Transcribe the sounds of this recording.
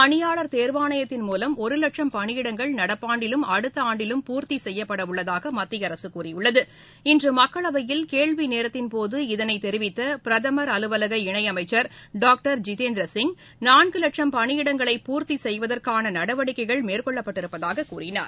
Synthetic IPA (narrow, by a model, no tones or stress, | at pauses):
ɐɳɪjaːɭɐɾt̪eːɾʋaːɳɐjɐt̪ːɪnmuːlɐmɔɾɯlɐʈʂɐmpɐɳɪjɪɽɐŋɡɐɭnɐɽɐpːaːɳɖɪlɯmɐɽɯt̪ːɐaːɳɖɪlɯmpuːɾt̪isɛjːɐpːɐɽɐʊɭːɐðaːɣɐmɐt̪ːɪjɐɾɐsɯkuːrɪjʊɭːɐðɯ | ɪndrɯmɐkːɐɭɐʋɐjɪlkeːɭʋineːɾɐt̪ːɪnpoːðɯɪðɐnɐɪt̪ːɛɾɪʋɪt̪ːɐpɪɾɐðɐmɐɾɐlɯʋɐlɐɣɐɪɳɐɪɐmɐɪt͡ʃːɐɾɖaːk̚ʈɐɾd͡ʒɪt̪eːnd̪ɾɐsɪŋɡ | naːɳɡɯlɐʈʂɐmpɐɳɪjɪɽɐŋɡɐɭɐɪpuːɾt̪isɛjʋɐðɐrkaːnɐnɐɽɐʋɐɽɪkːɐɪɣɐɭmeːrkɔɭːɐpːɐʈːɪɾɯpːɐðaːɣɐkuːrɪna̰ːɾ